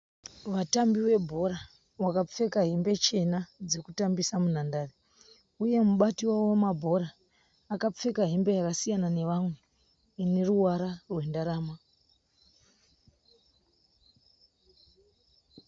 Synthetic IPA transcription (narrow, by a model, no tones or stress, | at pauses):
ʋatambiwe̞bʱo̞ɾa | wakap͡fe̞kaɦimbe̞t͡ʃe̞nad͡zekutambisamun̤andaːre | uje̞muɓatiwawomabʱo̞ɾaː | kap͡fe̞kaɦimbe̞jakasijanane̞ʋamwe | ne̞ruwaɾarwe̞ndaɾaːma